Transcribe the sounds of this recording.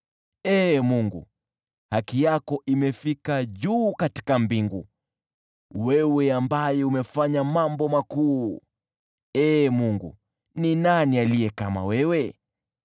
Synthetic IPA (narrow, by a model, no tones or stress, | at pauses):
ɛmuŋɡṵ | hakijakɔʔimɛfikaʄuːkati̥kambiŋɡṵ | wɛwɛambajɛumɛfaɲamambɔmakuː | ɛːmuŋɡṵ | ninanialijɛkama̰wɛwɛ